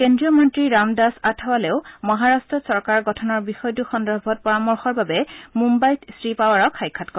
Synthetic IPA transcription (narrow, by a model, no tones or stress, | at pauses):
kendɹiɔmɔntɹiɹamdasatʰawalɛʊmɔɦaɹastɹɔsɔɹkaɹɡɔtʰɔnɔɹbixɔjtuxɔndɔɹbʱɔt̚pɔɹamɔɹxɔɹbabɛmumbajtsɹipawaɹɔkʰxajkʰːatkɔ